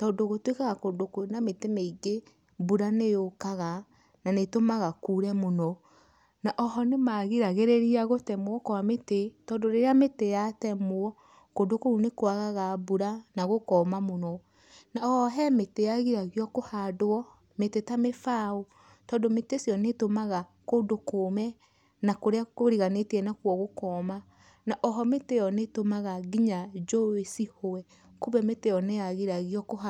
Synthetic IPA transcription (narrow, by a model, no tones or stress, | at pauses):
tɔːndoɣotwekaɣakodokounametemeiɡe | buɾanejokaɣa | nanetomaɣakuɾɛmonɔ | naʔɔɦɔnemaɣiɾaɣeɾeɾiaɣotɛmoɔkɔwametetɔːndoɾeɾeametejatɛmoɔ | kondokoɾunekwaɣaɣabuɾanaɣokɔːmamonɔ | naɔɦɛmetejaɣiɾaɣiɔkohadoɔ | metetamefao | tɔːndometesiɔnetomaɣakodokoːmɛ | nakoɾeakoɾiɣanetiɛnakwɔɣokɔma | naʔɔɦɔmetejɔnetomaɣaɡiɲad͡ʒowesihoɛ | kuβɛmetejɔnejaɣiɾaɣiɔkoha